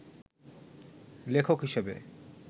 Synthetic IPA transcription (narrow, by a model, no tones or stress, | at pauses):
lekʰokɦiʃebḛ